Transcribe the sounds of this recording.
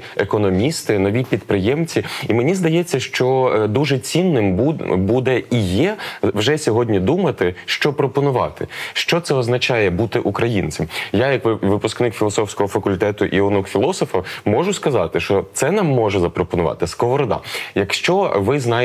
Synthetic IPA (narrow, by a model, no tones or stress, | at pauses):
ekɔnɔmʲist̪ɪnɔʋʲipʲid̪̚pɾɪjɛmt͡sʲiimenʲizd̪ɐjɛt͡sʲːɐʃt͡ʃɔd̪uʒɛt͡sʲinːɪmbud̪ɛijɛʋʒɛsʲɔɦɔdʲnʲid̪umɐt̪ɪʃt͡ʃɔpɾɔpɔnʊʋɑ̰t̪ɪʃt͡ʃɔt̪sɛɔznɐt͡ʃɑjɛbut̪ɪʔukɾɐjinʲt͡sʲɐmjajɐkʋʋɪpʊsknɪkfʲilˠɔsɔfsʲkɔɦɔfɐkʊlʲt̪ɛt̪ʊʔiɔnukfʲilˠɔsɔfɐmɔʒʊskɐzɑt̪ɪʃt͡ʃɔt̪sɛnɑmːɔʒɛzɐpɾɔpɔnʊʋɑ̰t̪ɪskɔɦɔɾɔd̪ɑ̰jɐkʃt͡ʃɔʋɪznɑ